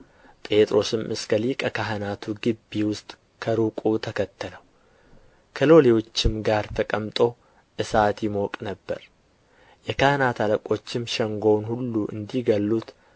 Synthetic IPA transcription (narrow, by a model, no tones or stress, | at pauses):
pʼe̞t̪ʼɾo̞sɨmʔɨskʰəlikʼəkʰaɦənat̪ʰuɡɨbːiwʊst̪ʼ | kʰəɾukʼut̪ʰəkʰət̪ʰːələw | kʰəlo̞lewo̞t͡ʃːɪmɡaɾt̪ʰəkʼəmt̪ʼo̞ | ʔɨsat̪jɪmo̞kʼnəbːə̰ɾ | jɛkʰahnat̪ʰaləkʼo̞t͡ʃːɪmʃɛŋɡo̞wnhulːuʔɨ̰nd̪iɡəlːut̪